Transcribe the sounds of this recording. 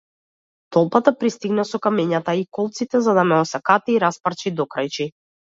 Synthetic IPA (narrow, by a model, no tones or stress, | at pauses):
t̪ɔlˠpat̪apɾist̪iɡnasɔkamɛɲat̪aikɔlˠt̪sit̪ɛzad̪amɛɔsakat̪iːɾaspaɾt͡ʃid̪ɔkɾajt͡ʃi